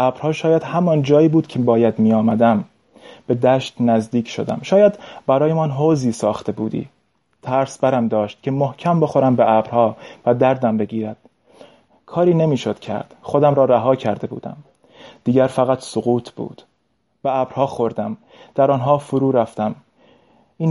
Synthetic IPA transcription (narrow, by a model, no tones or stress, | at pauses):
ʔæːbɾhɒːʃɒːjæd̪̥hæmɒnd͡ʒɒːjiːbuːd̪̥cʰebɒːjæd̪miːjɒːmæd̪æm | b̥e̞d̪æːʃt̪næzd̪iːcʰʃo̰d̪æ̰mʃɒːjæd̪bæɾɒːjemɒnɦoːziːsɒːxt̪e̞buːd̪ḭː | t̪ʰæɾsbæɾæmd̪ɒːʃt̪̚cʰʲe̞mohcʰæmbo̞xo̞ɾæmbeʔæːbɾhɒːvæd̪æɾd̪æmbe̞ɡiːɾæd̪̥ | kʰɒːɾiːne̞miːʃo̞d̪̥cʰæ̰ɾd̪̥χo̞d̪æmɾɒːɾæɦɒːcʰæɾd̪e̞bṵːd̪æ̰m | d̪̥iːɟæɾfæɣæt̪ʰsoɣuːt̪ʰb̥ṵːd̪̥ | b̥eæːbɾhɒːxo̞ɾd̪æm | d̪̥æɾɒːnɦɒːfoɾuːɾæft̪æm | ʔiːn